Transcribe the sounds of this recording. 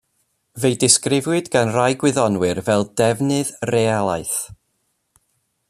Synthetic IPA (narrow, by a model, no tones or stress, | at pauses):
vejdɪskrɪvwɨdɡanrajɡwɪðɔnwɨrvɛlˠdɛvnɨðrealˠaɨθ